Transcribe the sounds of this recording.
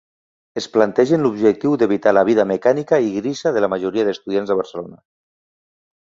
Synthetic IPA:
esplant̪ɛʒenlubʒek̚t̪iwd̪eβ̞it̪alaβ̞iðamekanikaiɣɾisaðelamaʒuɾiað̞est̪uðjanzðəβ̞əɾrselona

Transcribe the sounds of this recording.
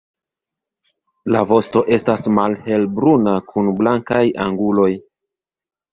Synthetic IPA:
lavo̞sto̞ʔe̞stasmalhe̞lbɾunakʰunblaŋkaja̰ŋɡulo̞j

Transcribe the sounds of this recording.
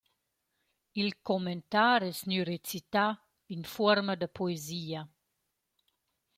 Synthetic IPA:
ilkoment̪aɾɛsnyɾet͡sit̪a | infɔɾmad̪əpʰoeziːa

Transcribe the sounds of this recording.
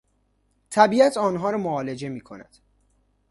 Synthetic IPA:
t̪ʰæbiːæt̪ʰɒːnɦɒːɾɒːmoɒːle̞d͡ʒe̞miːkʰo̞̰næ̰d̪̥

